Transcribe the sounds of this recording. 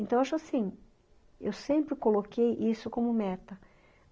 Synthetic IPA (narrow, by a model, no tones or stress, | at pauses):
ẽnt̪ɐ̃w̃aʃʊasĩ | ḛwsẽmpɾɪkolokejʔisʊkõmʊmɛt̪ɐ